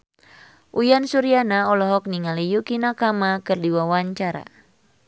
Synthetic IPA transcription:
ʔujansuɾianaɔlɔɦɔk̚niŋalijukinakamakɨrdiwawaɲt͡ʃaɾa̰

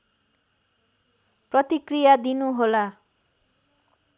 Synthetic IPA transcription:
prʌt̪ikrijad̪inuɦola

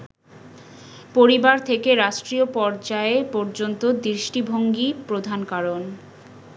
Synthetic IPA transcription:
poɾibaɾt̪ʰekeɾaʃʈɾiopɔɾd͡ʑaepɔɾd͡ʑont̪od̪ɾiʃʈibʱoŋɡipɾod̪ʱankaɾon

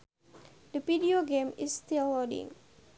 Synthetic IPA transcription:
dəvidioɡẽmist̪ilwɔdḭ̃ŋ

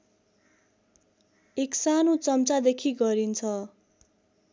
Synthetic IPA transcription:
eksanot͡sʌmt͡sad̪ekʰiɡʌɾint͡sʰʌ

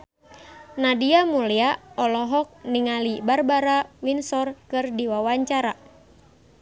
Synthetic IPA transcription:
nadiamuliaɔlɔɦɔk̚niŋalibarbaɾawinsɔrkɨrdiwawaɲt͡ʃaɾa

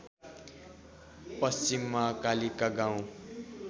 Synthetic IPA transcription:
pʌst͡ɕimːakalikaɡãw̃

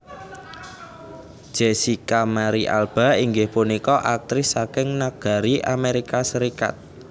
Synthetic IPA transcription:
d̥ʒ̥ɛsikamaɾiʔa̰lb̥a̤iŋɡɪhpunikɔʔak̚t̪ɾɪsːakɪŋnaɡ̥a̤ɾiʔameɾikasəɾika̰t̪̚

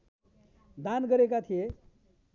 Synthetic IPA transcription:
d̪anɡʌɾekat̪ʰije

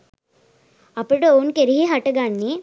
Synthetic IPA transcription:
ɐpːuɽuonkeɾiɦiɦɐʈɐɡaːnːi

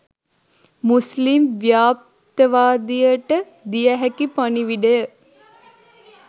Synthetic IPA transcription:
muslimʋjaːp̚ | t̪əʋaːd̪ijəʈə | d̪ijəɦækipaniʋiɖəjə

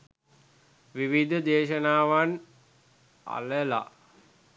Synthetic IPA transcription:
ʋiʋid̪ʱəd̪eːʃənaːʋan | a̰ləla̰

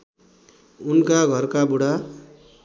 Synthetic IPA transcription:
unkaɡʱʌrkabuɽa

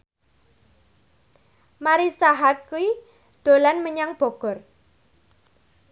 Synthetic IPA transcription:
maɾisaɦat̪̚kui | d̪̥o̤lanməɲaŋb̥ɔ̤ɡ̥ɔ̤r

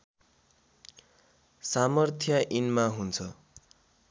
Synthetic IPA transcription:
samʌrt̪ʰjʌʔinmaɦunt͡sʰʌ

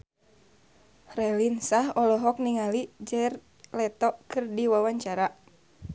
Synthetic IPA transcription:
rɛlinsahɔlɔɦɔk̚niŋalid͡ʒɛr | lɛt̪ɔʔkɨrdiwawaɲt͡ʃaɾa

